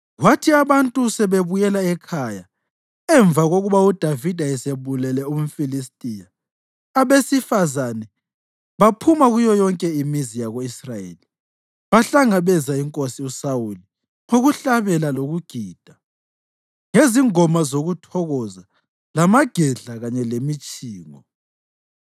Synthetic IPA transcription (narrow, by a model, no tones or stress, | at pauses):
ɣwatʰiaβantʼusɛβeβujɛlaɛkʰaja | ɛɱb̪vaɣoɣuβaud̥ʱavid̥ʱaɛseβulɛlɛum̩filistʼijaː | βesifazanɛ | βapʰumaɣujɔjɔŋkʼɛimizijaɣoisrajḛːli | βaɬaŋaβɛzaiŋkʼosiusauli | ŋoɣuɬaβɛlaloɣuɡ̥ʱiːd̥ʱa | ŋeziŋɔmazoɣutʰɔɣɔza | lamaɡ̥ʱɛɮaɣaɲɛlemit͡ʃʼiːŋɔ